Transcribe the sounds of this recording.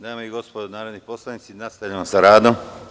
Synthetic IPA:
d̪aːmeiɡo̞spod̪onaːɾod̪niposlˠanit̪sinast̪aʎʲaʋamsaɾaːd̪o̞m

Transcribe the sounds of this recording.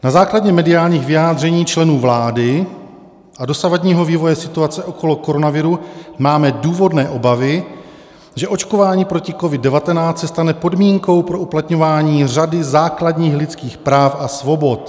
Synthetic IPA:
nazaːkladɲɛmɛdɪaːlɲiːxɣvɪjaːd̪r̝ɛɲiːt͡ʃlɛnuːvlaːdɪ | ʔado̞savadɲiːɦo̞viːvo̞jɛsɪt̪uat͡sɛʔo̞kʰo̞lo̞ko̞ɾo̞navɪɾumaːmɛduːvo̞dnɛːʔo̞bavɪ | ʒɛʔo̞t͡ʃko̞vaːɲiːpɾo̞cɪko̞vɪddɛvat̪ɛnaːt͡ssɛst̪anɛpo̞dmiːŋko̞wpɾo̞ʔuplat̪ɲo̞vaːɲiːr̝adɪzaːkladɲiːxlɪt͡skiːxpɾaːfʔasvo̞bo̞t̪

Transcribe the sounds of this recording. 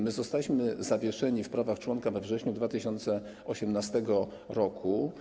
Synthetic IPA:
mɘzɔst̪alʲiɕmɘzavʲjɛʂɛɲifpɾavaxt͡ʂwɔnkavɛvʐɛɕɲud̪vat̪ɘɕɔnt̪sɛ | ɔɕɛmnast̪ɛɡɔ | ɾɔkʰu

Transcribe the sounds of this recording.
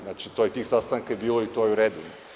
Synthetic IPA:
nat͡ʃit̪oːjet̪iːxsast̪aŋkajebiːlˠoit̪ojɛuɾed̪uno

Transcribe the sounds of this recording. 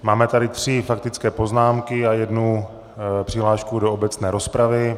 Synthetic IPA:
maːmɛt̪adɪt̪r̝̥ɪfak̚t̪ɪt͡skɛːpo̞znaːmkɪajɛdnu | pr̝̥ɪɦlaːʃkudoobɛt͡snɛːɾo̞spɾavɪ

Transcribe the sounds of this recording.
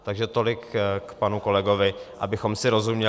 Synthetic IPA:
t̪aɡʒɛt̪o̞lɪkkpanuko̞lɛɡo̞vɪʔa̰bɪxo̞msɪɾo̞zumɲɛ

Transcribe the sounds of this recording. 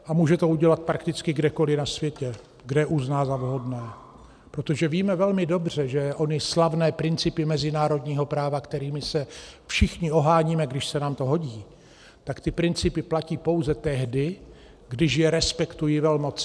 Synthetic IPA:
ʔamuːʒɛt̪o̞uɟɛlat̪̚pɾakt̪ɪt͡skɪɡdɛko̞lɪnasvjɛcɛ | ɡdɛʔuznaːzavɦo̞dnɛː | pɾot̪o̞ʒɛviːmɛvɛlmɪdo̞br̝ɛʒɛʔo̞nɪslavnɛːpɾɪnt͡sɪpɪmɛzɪnaːɾo̞dɲiːɦo̞pɾaːvakt̪ɛɾiːmɪsɛfʃɪxɲɪo̞ɦaːɲiːmɛɡdɪʃsɛnaːmt̪o̞ɦo̞ɟiː | t̪akt̪ɪpɾɪnt͡sɪpɪplaciːpo̞wzɛt̪ɛɦdɪ | ɡdɪʃjɛɾɛspɛkt̪ujɪvɛlmo̞t͡s

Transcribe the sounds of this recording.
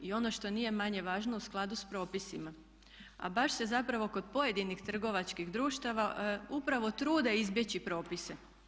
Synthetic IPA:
io̞no̞ʃt̪o̞nije̞maɲe̞ʋaːʒno̞usklˠad̪uspɾo̞ːpisima | a̰baʃse̞zapɾaʋo̞ko̞d̪̚po̞je̞d̪inixt̪r̩ɡo̞ʋat͡ʃkiɣd̪ɾuːʃt̪aʋaupɾaʋo̞t̪ɾuːd̪aizbje̞t͡ɕipɾo̞ːpise

